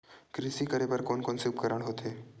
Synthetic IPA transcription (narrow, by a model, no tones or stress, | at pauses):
kɾɪsikəɾebɐɾkoːnkoːnseʊpkəɾəɽ̃ɦoːt̪ɦeː